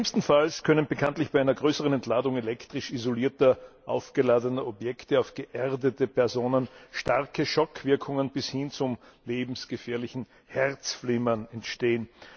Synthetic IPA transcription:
ɪmstn̩falskʰœnənbəkʰantlɪçb̥aɪaɪnɐɡʁøːsəʁənɛntʰlaːdʊŋelɛktʁ̥ɪʃizoliːɐtɐʔa̰ʊfɡ̥əlaːdənɐʔɔpjɛktəaʊfɡ̥əʔɛʁdətəpɛɐzoːnənʃtaʁkəʃɔkʰv̥ɪɐkʰʊŋənb̥ɪshɪnt͡sʊleːbm̩sɡ̥əfɛːɐlɪçn̩ | hɛʁt͡sflɪmɐnɛntʃteːən

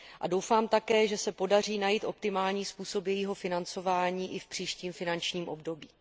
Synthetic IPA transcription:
ʔado̞wfaːmt̪akɛːʒɛsɛpo̞dar̝iːnajiːt̪ʔo̞pt̪ɪmaːlɲiːspuːso̞pjɛjiːɦo̞fɪnant͡so̞vaːɲiːʔɪfpr̝̥iːʃciːmfɪnant͡ʃɲiːmʔo̞bdo̞biː

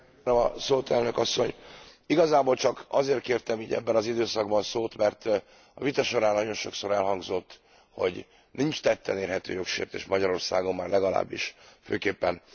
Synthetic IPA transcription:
nømɒsoːt̪ʰɛlnø̞kɒsːo̞ɲiɡɒzaːboːlt͡ʃɒkɒzeːrt̪̚keːrt̪ɛmiːɟɛ̰bːɛnɒzid̪øːsɒɡ̚bɒnsoːt̪mɛrt̪ | ɒvit̪ɒʃo̞ɾaːnːɒɟo̞nʃo̞kso̞ɾɛlɦɒŋɡzo̞t̪ː | ho̰ɟ | nint͡ʃt̪ɛt̪ːɛneːrɦɛt̪ø̰ːjo̞kʃḛːrt̪eːʃmɒɟɒɾo̞rsaːɡo̞mːaːrlɛɡɒla̰ːbːḭʃfø̰ːkeːpːɛn

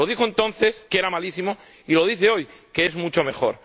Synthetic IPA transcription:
o̞ðixoent̪õ̞nθe̞skeɾamalisimo̞ | ilo̞ð̞iθe̞o̞jkeezmut͡ʃo̞me̞xo̞̰ɾ

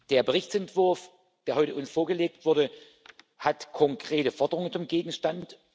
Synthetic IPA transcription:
d̥eːɐbəʁ̞ɪçt͡sɛntv̥ʊɐf | d̥eːɐɦɔʏtəʔʊnsfoːɐɡəleːk̚tv̥ʊɐdə | hatkʰɔŋkʁ̥eːtəfɔɐdəʁʊŋənt͡sʊmɡeːɡŋ̩ʃtant

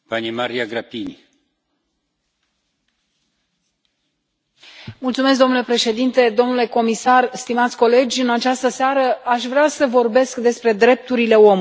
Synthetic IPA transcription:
panimaɾiaɡɾapini | mult̪sume̞sk̬̚d̪o̞mnule̞pɾe̞ʃe̞d̪int̪e̞d̪o̞mnule̞ko̞misarst̪imat̪sʲko̞le̞d͡ʒʲɨnat͡ʃast̪əseaɾəaʃvɾeasəvo̞rbe̞skd̪e̞spɾe̞d̪ɾe̞p̚t̪uɾile̞o̞m

